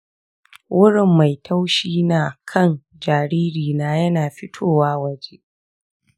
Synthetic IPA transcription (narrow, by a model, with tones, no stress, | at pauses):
wʔʊ˦ɽɪ˨mːa˨jtʰa˦wʃiː˦naː˨kʰɐ˦˨n | d͡ʒaː˨ɾiː˦ɾiː˨naː˦jɐ˦naː˨ɸɪ˦tʰoː˦˨waː˦wɐ˦d͡ʒe˦